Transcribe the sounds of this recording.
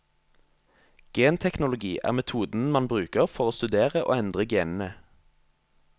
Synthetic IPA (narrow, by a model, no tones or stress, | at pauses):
ɡ̥eːnt̪ʰɛknʊlʊɡiːʔæ̰ːʁmɛt̪ʰuːd̪n̩mɑnbʁʉːkəʁfɔʁoːst̪ʉd̪eːʁəʔo̰ːɛnd̪ʁəɡeːnn̩ə